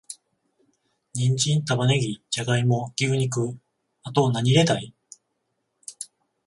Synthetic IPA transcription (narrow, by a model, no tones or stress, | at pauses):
ɲĩɲd͡ʑĩnt̪abane̞ɡʲit͡ɕaɡaimo̞ɡ̥ʲɨːɲ̟ik̬ɯ̟ | at̪o̞naɲ̟iɾe̞t̪ai